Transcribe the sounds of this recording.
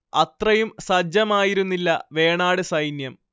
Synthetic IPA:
ɐt̪rɐjumsɐd͡ʑɐmaːjiɾunːilːɐʋe̞ːɳaːɽɨsɐjnjɐm

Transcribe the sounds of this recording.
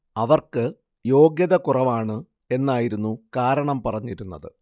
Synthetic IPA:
ɐʋɐrkɨ | jo̞ːɡjɐðɐkurɐʋaːɳɨ | e̞nːaːjiɾunːukaːɾɐɳɐmpɐrɐɲːiɾunːɐðɨ

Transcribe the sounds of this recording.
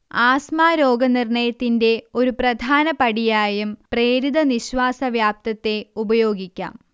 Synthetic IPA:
aːsmaːɾo̞ːɡɐnirɳɐjɐt̪ːinde̞o̞ɾuprɐd̪ʱaːnɐpɐɽijaːjumpreːɾid̪ɐniɕʋaːsɐʋjaːp̚t̪ɐt̪ːe̞ubɐjo̞ːɡikʲːa̰ːm

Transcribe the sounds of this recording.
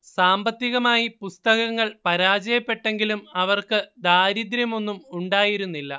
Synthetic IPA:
ssaːmbɐt̪ːiɣɐmaːjipust̪ɐɣɐŋːɐɭpɐɾaːd͡ʑɐjɐpːe̞ʈːe̞ŋɡilumɐʋɐrkɨd̪aːɾid̪ɾjɐmo̞nːumuɳɖaːjiɾunːilːɐ

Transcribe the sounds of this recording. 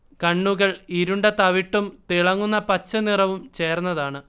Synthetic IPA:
kɐɳːuɣɐɭiɾuɳɖɐt̪ɐʋiʈːumt̪iɭɐŋːunːɐpɐt͡ɕːɐnirɐʋumt͡ɕe̞ːrnːɐðaːɳɨ

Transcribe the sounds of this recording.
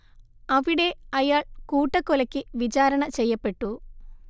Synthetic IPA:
ɐʋiɽe̞ːɐjaːɭkuːʈːɐkɔlɐkiʋit͡ʃaːɾɐɳɐt͡ʃɛːjɐpːeʈːu

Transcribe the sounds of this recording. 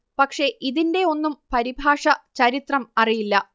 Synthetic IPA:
pɐkʂe̞ʔiðinde̞o̞nːumpɐɾibʱaːʂɐt͡ɕɐɾit̪rɐmɐrijilːɐ

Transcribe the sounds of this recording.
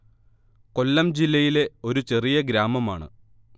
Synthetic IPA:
ko̞lːɐmd͡ʑilːɐjile̞o̞ɾut͡ɕe̞rijɐɡɾaːmɐmaːɳɨ̰

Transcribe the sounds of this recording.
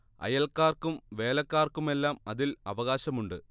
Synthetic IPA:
ɐ̰jɐlkːaːrkumʋe̞ːlɐkːaːrkume̞lːaːmɐðilɐ̰ʋɐɣaːɕɐmuɳɖɨ

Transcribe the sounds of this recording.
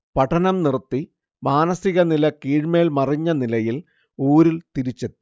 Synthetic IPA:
pɐʈʰːɐnɐmnirt̪ːi | maːnɐsiɣɐnilɐkiːɻme̞ːɭmɐriɲːɐnilɐjil | uːɾilt̪iɾit͡ɕːɐ

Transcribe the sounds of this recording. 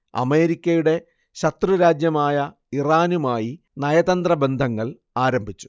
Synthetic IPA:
ɐ̰me̞ːɾikʲːɐjuɽe̞ | ɕɐt̪ruɾaːd͡ʑjɐmaːjɐ | iraːnumaːji | nɐjɐðɐnd̪rɐbe̞nd̪ʱɐŋːɐɭ | aːɾɐmbʱit͡ɕːu̥

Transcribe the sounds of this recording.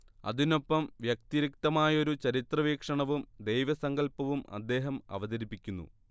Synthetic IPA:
ɐ̰ðino̞pːɐmʋjɐk̚t̪iɾik̚t̪ɐmaːjɐoɾut͡ɕɐɾit̪rɐʋiːkʂɐɳɐʋumd̪ejʋɐsɐŋɡɐlpɐʋumɐ̰d̪ːe̞ːɦɐmɐ̰ʋɐðɐɾipːikʲːunːṵ

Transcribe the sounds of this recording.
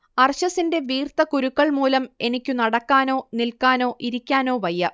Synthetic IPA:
ɐrɕɐsinde̞ʋiːrt̪ɐkuɾukːɐɭmuːlɐme̞nikʲːunɐɽɐkːaːno̞ːnilkaːno̞ːʔiɾikʲːaːno̞ːʋɐjːɐ

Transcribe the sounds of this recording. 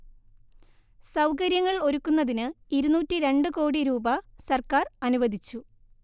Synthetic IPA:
sɐwkɐɾjɐŋːɐɭo̞ɾukːunːɐðinɨ | iɾunuːtːiɾe̞ɳɖɨko̞ːɽiɾuːbɐsɐrkaːrɐnuʋɐd̪ʱit͡ɕːu

